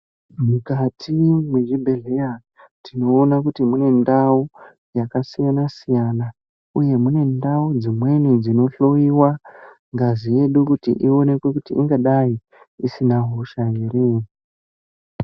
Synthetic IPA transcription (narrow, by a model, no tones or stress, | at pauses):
mukatʰimweʒibʱe̞ɮe̞ja | tino̞ːnakutimune̞ndau | jakasijanasijana | uje̞mune̞ndaud͡zimwe̞nid͡zino̞ɬo̞iwa | ŋɡazije̞ɗukutḭʔio̞ne̞kwe̞kutiʔiŋɡaɗaji | isinaɦo̞ʃaɦere